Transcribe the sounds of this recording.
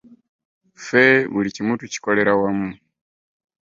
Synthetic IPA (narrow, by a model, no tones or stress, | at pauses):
fɛβulicimutuci̥kɔlɛɾawamu